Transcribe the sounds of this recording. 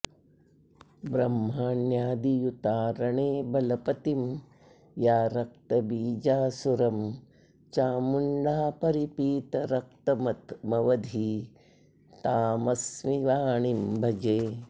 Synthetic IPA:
bɾɐmːaːnjaːd̪ijut̪aːɾɐɳeːbɐlɐpɐt̪im | jaːɾɐk̚t̪ɐbiːd͡ʒaːsuɾɐm | t͡ʃaːmuɳɖaːpɐɾipiːt̪ɐɾɐk̚t̪ɐmɐt̪mɐʋɐd̪ʱi | t̪aːmɐsmiʋaːɳimbʱɐd͡ʒeː

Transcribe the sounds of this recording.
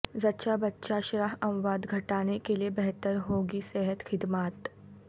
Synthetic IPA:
zɐtːʃabɐtːʃaʃɾaɦɐ̃mʋaːd̪ɡʱɐʈaːnekeliebɛɦt̪əɾɦoːɡisɛɦət̪xɪd̪maːt̪

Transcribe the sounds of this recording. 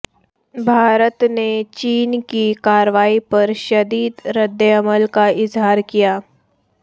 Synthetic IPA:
bʱaːɾət̪net͡ʃiːnkikaːɾʋaːipɐɾʃɐd̪iːd̪ɾɪd̪əɐməlkaɪzɦaːɾkijaː

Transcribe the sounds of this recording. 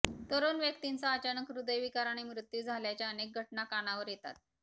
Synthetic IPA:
t̪əɾonʋjəkt̪int͡saːt͡ɕanəkɾud̪əjʋikaɾaɽ̃imɾut̪juːd͡zʱaljat͡ɕjaənek̚ɡʱəʈnakaɽñaʋəɾjet̪a̰t̪̚

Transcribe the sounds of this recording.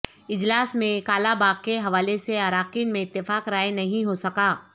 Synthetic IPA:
ɪd͡ʒlaːsmẽkaːlabaːɡ̚keɦɐʋaːleseaːɾaːqiːnmẽɪt̪ːɪfaːkɾaːenɐɦĩɦosɐkaː

